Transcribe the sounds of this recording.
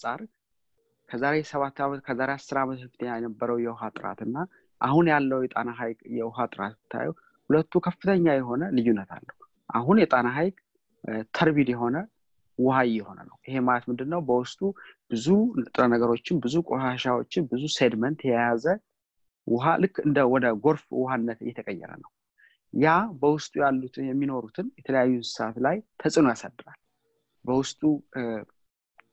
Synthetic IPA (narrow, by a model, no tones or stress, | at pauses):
sʼaɾ | kʰəzaɾe̞səβat̪ʰːamkʰəzaɾeasɨɾamət̪ɨfɨt̪ʰəɲːajɛnəbːəɾəwjɛwʊɦat̪ʼɨɾa̰t̪ɨnːa | ʔahunjalːəwjɛt̪ʼanaɦajkʼjɛwʊɦat̪ʼɨɾa̰t̪ɨt̪ʰːa̰ju | hulət̪ʰːukʰəfːɨt̪ʰəɲːajɛɦo̞nəlɨjunːət̪ʰa̰lːəhu | ʔa̰ɦunjɛt̪ʼanaɦajkʼ | t̪ʰəɾbid̪jɛɦo̞nə | wʊɦajːɪho̞nə̰nə̰wʔihe̞malət̪mɨnd̪ɨnːəwbəwʊst̪ʼub̥ɨzut̪ʼɨnanəɡəɾo̞t͡ʃːɪnbɨzukʼoʃaʃawo̞t͡ʃːɪnbɨzused̪mənt̪jɛjjazə | wʔʊɦalɨkːɨnd̪əwɔd̪əɡo̞ɾfwʊhanːət̪ɨ̰jːɛt̪ʰəkʼəjːɛ̰ɾə̰nəw | jabəwʊst̪ʼujalːut̪ʰɨjɛmːino̞ɾut̪ʰɨnjɛt̪ʰələjajːusɨ̥sat̪lajt̪ʰəsʼɨnojasad̪ːɨɾal | bəwʊst̪ʼu